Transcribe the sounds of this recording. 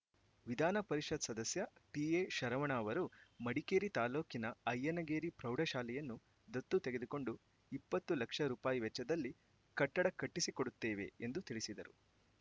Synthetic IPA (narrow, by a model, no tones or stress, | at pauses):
ʋid̪ʱaːnɐpɐɾiʂɐd̪sɐd̪ɐsjɐʈiːeːʃɐɾɐʋɐɳaːʋɐɾumɐɽikeːɾit̪aːlo̞ːkinɐɐjːɐnɐɡeːɾipɾɐwɖɐʃaːlɛjɐnːu | d̪ɐt̪ːut̪eɡed̪uko̞ɳɖu | ipːɐt̪ːulɐkʂɐɾuːpaːjiʋɛt͡ʃːɐd̪ɐlːi | kɐʈːɐɽɐkɐʈːisikoɽut̪ːeːʋe̞̰end̪ut̪iɭisid̪ɐɾṵ